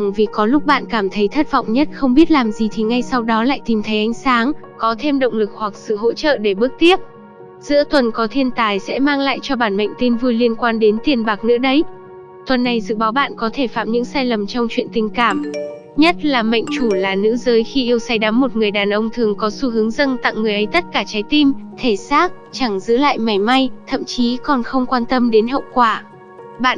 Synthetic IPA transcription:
ŋvi˨˩kɔ˨˦lʊ˦˥k͡p̚ɓa̰ː˧˨nkaː˧˩mt̪ʰə˨˦jt̪ʰə˦˥t̚vɔ̰˧˨wŋ͡mɲə˦˥t̚xə˧wŋ͡mɓi˦˥ət̚laː˨˩mzi˨˩t̪ʰi˨˩ŋa˧jsa˧wɗɔ˨˦la̰ː˧˨jt̪i˨˩mt̪ʰə˨˦jʔa˨˦jŋ̟saː˨˦ŋ | kɔ˨˦t̪ʰe˧mɗə̰˧˨wŋ͡mlɨ˨˩k̚hwa˨˩k̚sɨ̰˧˨ɦo̰˧˥t͡ɕə̰ː˧˨ɗe˧˩ɓɨ˦˥ək̚t̪i˦˥əp̚ | z̥ɨ̰˧˥ət̪wə˨˩nkɔ˨˦t̪ʰi˧ənt̪aː˨˩jsɛ̰˧˥maː˧ŋla̰ː˧˨jt͡ɕɔ˧ɓaː˧˩nmə̰˧˨jŋ̟t̪i˧nvu˧jli˧ənkwaː˧nɗe˨˦nt̪i˨˩ənɓaː˨˩k̚nɨ̰˧˥ɗə˨˦j | t̪wə˨˩nːa˨˩jzɨ̰˧˨ɓaː˨˦wɓa̰ː˧˨nkɔ˨˦t̪ʰe˧˩fa̰ː˧˨mɲɨ̰˧˥ŋsaː˧jlə˨˩mt͡ɕɔ˧wŋ͡mt͡ɕwḭ˧˨ənt̪ï˨˩ŋ̟kaː˧˩m | ɲə˦˥t̚laː˨˩mə̰˧˨ŋ̟t͡ɕu˧˩laː˨˩nɨ̰˧˥zəː˨˦jxi˧ʔi˧əwsa˧jɗa˨˦mːo˨˩t̚ŋɨ˨˩əjɗaː˨˩nʔə˧wŋ͡mt̪ʰɨ˨˩əŋkɔ˨˦su˧ɦɨ˨˦əŋzə˧nt̪a̰˧˨ŋŋɨ˨˩əjʔə˨˦jt̪ə˦˥t̚kaː˧˩t͡ɕaː˨˦jt̪i˧mt̪ʰe˧˩saː˦˥k̚t͡ɕa˧˩ŋzɨ̰˧˥la̰ː˧˨jma˨˩jma˧jt̪ʰə̰˧˨mt͡ɕi˨˦kɔ˨˩nxə˧wŋ͡mkwaː˧nt̪ə˧mɗe˨˦nɦḭ˧˨wkwaː˧˩ | ɓa̰ː˧˨

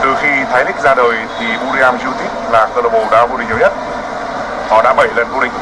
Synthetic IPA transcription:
t̪ɨ˨˩xi˧t̪ʰaː˨˦jlï˦˥k̟̚zaː˧ɗəː˨˩jt̪ʰi˨˩ɓu˧ɾi˧aː˧mzi˧t̪i˦˥k̚laː˨˩kə˧lə˧˩ɓo˧˩ɗaː˧˥vo˧i˨ŋ̟˨ə˨˦ɲə˦˥t̚ | hɔ˨˦ɗa̰ː˧˥ɓə˧˩jlə˨˩nko˧ɗï˨ŋ̟

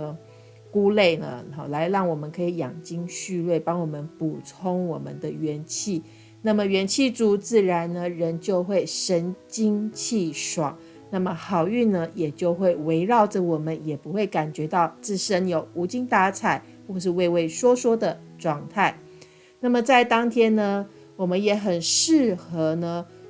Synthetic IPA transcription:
ku˥˦le˥˩ɪnə̰˨˩la˧˦ɪɻɑ˥˩ŋwɔ˨˩mə˦nkʰɤ˧˥i˨˧˩jɑ˨˩ŋt͡ɕi˦ŋɕy˥˧lwe˥˩ɪpɑ˥ŋwɔ˨˩mə˦npu˨˩t͡sʰo˥ŋwɔ˨˩mə˨˦nd̪ə˨˦ɥɛ˧˥nt͡ɕʰi˥˩ | na˥˩mə˨˩ɥɛ˧˥nt͡ɕʰi˥˩t͡su˧˨˩t͡sɹ̩˥˩ɻa˧˦nnə˧ɻə˧˦nt͡ɕjo˥˧ʊxwe˥˨˩ɪʂə˦˥nt͡ɕi˥ŋt͡ɕʰi˥˩ʂwɑ˨˩˦ŋ | na˥˩mə˨xɑ˨˩ʊy˥˨nə˦jɛ˨˩t͡ɕjo˥˧ʊxwe˥˩ɪwe˧˥ɪɻɑ˥˨ʊʈ͡ʂə˨wɔ˨˩mə˦njɛ˨˩pu˧˦xwe˥˩ɪka˨˩nt͡ɕɥɛ˧˥t̪ɑ˥˧ʊt͡sɹ̩˥˩ʂə˦njo˨˩ʊu˧˥t͡ɕi˥ŋt̪a˧˥t͡sʰa˨˩ɪ | xwɔ˥˧ʂ̬ɻ̩˥˧we˥˧ɪwe˥˩ɪʂwɔ˥swɔ˥d̪ə˨ | ʈ͡ʂwɑ˥˧ŋt̪ʰa˥˩ɪ | na˥˩mə˨t͡sa˥˩ɪt̪ɑ˥ŋt̪ʰjɛ˥nnə˧ | wɔ˨˩mə˦njɛ˧˥xə˨˩nʂɻ̩˥˩xɤ˧˥nə˧

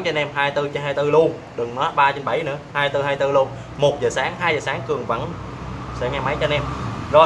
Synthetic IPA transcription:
t͡ɕɔ˧nɛ˧mɦaː˧jt̪ɨ˧t͡ɕe˨˦nhaː˧jt̪ɨ˧lu˧ən | ɗɨ˨˩ŋnɔ˨˦ɓaː˧t͡ɕnɓa˧˩jnɨ̰˧˥əhaː˧jt̪ɨ˧haː˧jt̪ɨ˧lu˧ən | mo˨˩t̚zəː˨˩saː˨˦ŋɦaː˧jzəː˨˩saː˨˦ŋkɨ˨˩əŋvə̰˧˩n | sɛ̰˧˥ŋɛ˧ma˨˦jt͡ɕɔ˧nɛ˧mzɔ˨˩

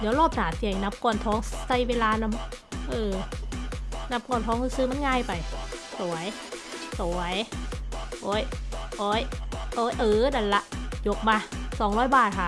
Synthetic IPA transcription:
dɛː˧˦wlɔː˥˩p̚naː˨˩˦t̪i˧˩˨ŋna˧˥p̚kɔː˧˩˨nt̪ʰɔː˦˥ŋsa˧˩jweː˧laː˧na˧˩mʔɤː˧˩ | na˦˥p̚kɔː˧˩˨nt̪ʰɔː˦˥ŋhɯː˧˩sɯː˧˥ma˧˥˨nŋaː˧˩˨jpa˨˩jsu˨˩˦ɐj | su˨˦ɐj | ʔoː˨˦˥jʔoː˧˦˥jʔoː˧˥jʔɤː˧˩da˧˩lla˧ʔjo˧˥k̚maː˧sɔː˨˦ŋɾɔː˦˥˩jbaː˨˩t̪̚kʰa˧˩

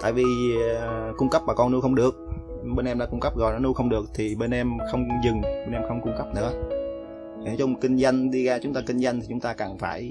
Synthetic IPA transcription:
t̪a̰ː˧˨jvi˨˩ | kʊ˧ŋ͡mkə˦˥p̚maː˨˩kɔ˧ne˧˦wxə˧wŋ͡mɗɨ˨˩ək̚ | ɓe˧nʔɛ˧mɗa̰ː˧˨˩kʊ˧ŋ͡mkə˦˥p̚ɣɔ̰˨jnɔ˨˦nu˧˦xə˧wŋ͡mɗɨ˨˩ək̚t̪ʰi˨˩ɓe˧nʔɛ˧mxə˧wŋ͡mzɨ˨˩ŋɓeː˧nʔɛ˧mxə˧wŋ͡mkʊ˧ŋ͡mkə˦˥p̚nɨ̰˧˥ə | i˨˦t͡ɕɔ˧mo˨˩t̚kï˧ŋ̟za˧jŋ̟ɗi˧ɣaː˧t͡ɕʊ˨˦ŋ͡mt̪aː˧kï˧ŋ̟za˧jŋt̪i˨˩t͡ɕʊ˨˦ŋ͡mt̪aː˧kaː˨˩ŋfaː˧˩j

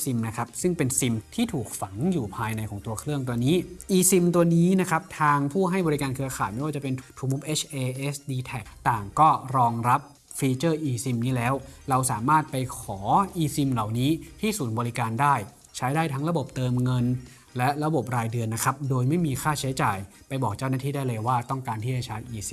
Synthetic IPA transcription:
si˧mna˦˥kʰa˦˥p̚sɯ˥˩ŋpe˧nsi˧mt̪ʰiː˥˩t̪ʰuː˨˩k̚fa˩˦ŋjuː˨˩pʰaː˧jna˧jkʰɔː˩˦ŋt̪u˧ɐkʰɾɯ˥˩əŋt̪̬u˧niː˦˥ʔiː˧si˧mt̪u˧ɐniː˦˥na˦˥kʰa˦˥p̚t̪ʰaː˧ŋpʰuː˥˩ɦa˥˩jbɔ˧ɾi˦˥kaː˧nkʰɯ˧ɐxʰaː˨˩jma˥˩wa˥˩t͡ɕa˨˩pe˧nʰt̪ʰuː˧mu˦˥pʔe˦˥t͡ɕʰʔeː˧ʔe˦˥sdiː˧t̪ʰɛ˨˩k̚t̪aː˨˩ŋkɔː˥˩ɾɔː˧ŋɾa˦˥p̚ | fiː˧t͡ɕɤː˥˩ʔiː˧si˧mniː˦˥lɛː˦˥wɾa˧wsaː˩˦maː˥˩t̪̚pa˧jkʰɔː˩˦ʔiː˧si˧mla˨˩wniː˦˥t̪ʰiː˥˩suː˩˦nbɔː˧ɾi˦˥kaː˧ndaː˥˩j | t͡ɕʰa˦˥jdaː˥˩jt̪ʰa˦˥ŋɾa˧bo˨˩p̚t̪ɤː˧mŋɤ˧n | lɛ˦˥ʔɾa˧bo˨˩p̚ɾaː˧jdɯ˧ənːa˦˥kʰa˦˥p̚doː˧jma˥˩jmiː˧xʰaː˥˩t͡ɕʰa˦˥t͡ɕaː˨˩j | pa˧jbɔː˨˩k̚t͡ɕaː˥˩wnaː˥˩iː˥˩da˥˩jlɤ˧jwaː˥˩t̪ɔ˥˩ŋkaː˧nt̪ʰiː˥˩t͡ɕa˧˩t͡ɕʰa˦˥jʔiː˧si˧m

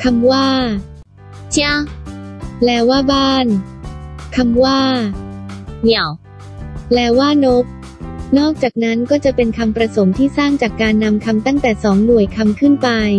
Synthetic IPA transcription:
kʰa˧mwaː˥˩ | t͡ɕ | lɛː˦˥waː˥˩baː˥˩n | kʰa˧mwaː˥˩ | ni˨˩əw | lɛː˦˥waː˥˩no˦˥p̚ | nɔː˥˩k̚t͡ɕaː˨˩k̚na˦˥nkɔː˥˩t͡ɕa˨˩pe˧nkʰa˧mpɾa˧so˩˦mt̪ʰiː˥˩saː˥˩ŋt͡ɕaː˨˩kːaː˧nːa˧mkʰa˧mt̪a˥˩ŋt̪ɛː˨˩sɔː˩˦ŋnu˨˩əjkʰa˧mkʰɯ˥˩npa˧j

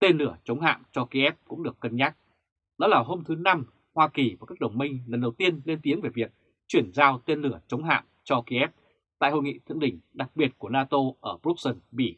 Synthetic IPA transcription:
t̪e˧nlɨ˧˩ət͡ɕə˨˦wŋ͡mɦa̰ː˧˨mt͡ɕɔ˧ki˧ʔɛ˦˥p̚kʊ̰˧˥ŋ͡mɗɨ˨˩əkːə˧nɲaː˦˥k̚ | ɗɔ̰˨˦laː˨˩ɦo˧mt̪ʰɨ˨˦na˧m | hwaː˧ki˨˩va˨˩kaː˦˥k̚ɗə˨˩wŋ͡mmï˧ŋ̟lə˨˩nɗə˨˩wt̪i˧ənle˧nt̪i˨˦əŋve˨˩vi˨˩ək̚ | t͡ɕwi˧˩ənzaː˧wt̪e˧nlɨ˧˩ət͡ɕə˨˦wŋ͡mɦa̰ː˧˨mt͡ɕɔ˧ki˧ʔɛ˦˥p̚ | t̪a̰ː˧˨jho̰˧˨jŋḭ˧˨t̪ʰɨ̰˧əŋɗï˧˩ŋ̟ɗa˨˩k̚ɓi˨˩ət̚ku˧˩ənaː˧t̪o˧ʔəː˧˩bɾu˦˥k̚sə˧nɓi˧˩

